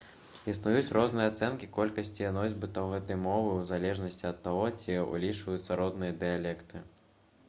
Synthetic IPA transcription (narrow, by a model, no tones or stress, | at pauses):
isnujut͡sʲrɔznɨjɐat̪sɛnkʲikɔlʲkɐsʲt͡sʲijanɔzʲbɨt̪ɐwɣɛt̪ɐjmɔvɨwzalʲɛʐnɐsʲt͡sʲiɐt̪ːaɣɔt͡sʲiṵlʲit͡ʂvɐjut̪sːɐɾɔd̪nɨjɐd̪ɨjalʲɛkt̪ɨ